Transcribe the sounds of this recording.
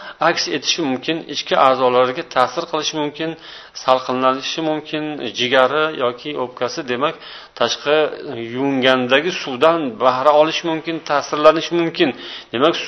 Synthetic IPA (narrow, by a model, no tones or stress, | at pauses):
akʲse̞t̪ʰɪ̥ʃɪmʊmkʲʰɪnɪ̰t͡ʃkʲɪʔaːzɒlaɾɡʲat̪ʰasɪɾqʰɨlˠɪʃɪmʊmkʲɪn | salˠqʰɨnlanɪʃɪmʊmkʲʰɪnd͡ʒɪɡʲaɾɪjʔɒkʲʰɪʔop̚kʲasɪd̪e̞makʲ | t̪ʰaʃqʰɑjʊŋɡʲand̪aɡʲɪsuwd̪anbahɾaɒlˠɪʃɪmʊmkʲɪnt̪ʰasɪɾlanɪʃɪmʊmkʲɪndd̪e̞makʲs